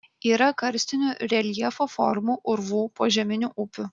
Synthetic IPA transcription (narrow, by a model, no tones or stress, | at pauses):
iːɾɐkɐɾʲsʲt̪ʲɪnʲuɾʲɛlʲjɛfofɔ̰ɾmuʔʊɾʋuːpoːʒʲɛmʲɪnʲuːʔʊpʲʊ